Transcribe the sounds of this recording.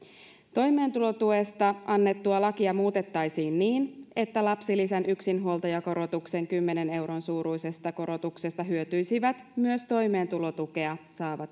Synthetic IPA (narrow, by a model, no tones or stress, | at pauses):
t̪o̞jme̞ːnt̪ulo̞t̪uest̪ɑʔɑnːe̞t̪ːuɑlɑkiɑmuːt̪e̞t̪ːɑjsiːnːiːne̞t̪ːælɑpsilisænʔyksinɦuolˠt̪ɑjɑko̞ɾo̞t̪ukse̞ŋkymːe̞ne̞ne̞wɾo̞nsuːɾujse̞st̪ɑko̞ɾo̞t̪ukse̞st̪ɑɦyøt̪yjsiʋæt̪myøst̪o̞jme̞ːnt̪ulo̞t̪uke̞ɑsɑːʋɑt̪